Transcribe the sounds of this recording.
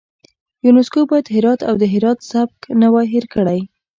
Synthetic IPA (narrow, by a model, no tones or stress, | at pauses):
junʊskobɑjad̪ɦɪɾɑt̪a̰wd̪əɦɪɾɑt̪sab̚knawajɦɪɾkəɽaj